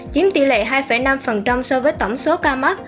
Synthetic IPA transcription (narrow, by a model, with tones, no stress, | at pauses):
t͡ɕi˨˦mt̪ḭ˧˩lḛ˧˨ɦaː˧jfəa˧˩jna˧mfə˨˩nt͡ɕa˧wŋ͡msɔ˧vəː˨˦jt̪ə˧˩wŋ͡mso˨˦kaː˧ma˦˥k̚